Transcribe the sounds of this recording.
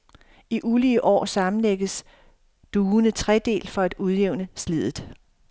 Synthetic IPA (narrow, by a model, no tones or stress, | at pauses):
iʔuliəʔɒ̰ːsɑ̈mn̩leɡ̥əs | d̥uːnət͡sʰʁɛd̥e̝̰ːlfɒ̽æd̥uð̞ˠjeʊ̰nəslið̞̰ˠð̩ˠ